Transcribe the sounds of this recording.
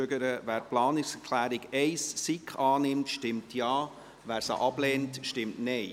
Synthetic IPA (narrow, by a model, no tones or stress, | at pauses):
øɡəɾəvæːɾplɑːnɪksɛkʰlæːɾɪɡ̥ɛɪssikχɑːnɪmtʃtɪmtʰjɑː | væːɾsə̰ʔɑb̥lɛːntʃtɪmtnɛɪ